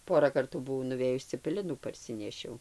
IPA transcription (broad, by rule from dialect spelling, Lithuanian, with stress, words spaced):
ˈpoːrɐ ˈkɐrtuː bʊˈʋɐʊ nʊˈʋʲeːjʊs t͡sʲɛpʲɛˈlʲɪnuː pɐrʲˈsʲɪnʲɛʃʲɛʊ